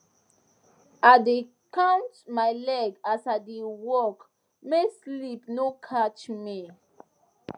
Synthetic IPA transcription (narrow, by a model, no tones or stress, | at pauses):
ade | kʰãntmaɪlɛɡasadewɔk | meslipnokʰat͡ʃmi